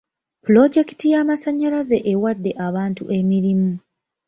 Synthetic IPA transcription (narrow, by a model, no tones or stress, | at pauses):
pulo̞ɟe̞kitijaːmasaɲːalaze̞ʔewadːe̞ʔaβaːntuʔe̞miɾimu